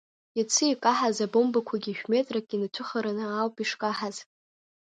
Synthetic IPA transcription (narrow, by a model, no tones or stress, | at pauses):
jat͡sʰɨikʼaħazabombakʷʰaɡʲiʃᶣmetʼrakʼːʲinatʷʰʊχaɾanɨalpʼiʂkʼaħaz̥